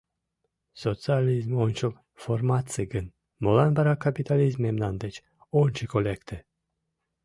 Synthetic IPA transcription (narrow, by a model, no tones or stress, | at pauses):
sot̪sɨalʲizmonʲt͡ʃol | foɾmat̪sɨɡɨn | molanbaɾakʰapit̪alizmemnand̪et͡ʃ | onʲt͡ʃʰikolʲekt̪ʰə